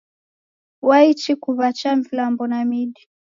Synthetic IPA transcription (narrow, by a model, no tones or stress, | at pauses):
wait͡ʃikuβat͡ʃaɱvilambɔnamiɗi